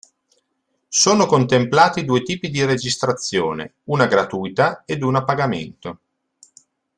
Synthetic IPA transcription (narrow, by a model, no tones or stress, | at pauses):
soːnokont̪emplaːt̪id̪uːet̪iːpid̪iɾed͡ʒist̪ɾat̪sːjoːnḛ | uːnaɡɾat̪ujt̪aed̪unapːaɡamḛnt̪o